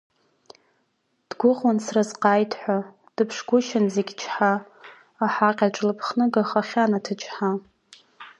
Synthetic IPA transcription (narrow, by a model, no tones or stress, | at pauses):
d̥ɡʷʊʁwansrazqaːjtʰħʷa | d̥ɨpʰʂɡʷʊʃɪnzeɡʲt͡ʃʰħa | aħaqʲʼaʈ͡ʂʼlɨpʰχnɨɡaχaχʲanatʰɨt͡ʃʰʼħa